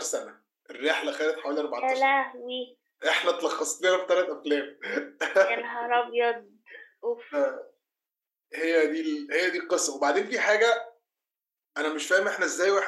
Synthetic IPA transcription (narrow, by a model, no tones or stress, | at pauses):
ɾsænæ | ʔerːeħlæxæːlet̪ħawæːliʔɑɾˤbɑʕtɑlæwiː | ʔeħnæt̪lɑxːɑsˤleɾæft̪ælæt̪ʔæflæːm | ænɦɑɾˤɑbjɑd̪ | uf | hejːæd̪iːlhejːæd̪iːqesˤːɑwebaʕd̪eːnfiːħaːɡæ | ʔænæmeʃfæːhemʔeħnæʔezːæːjweʔeħ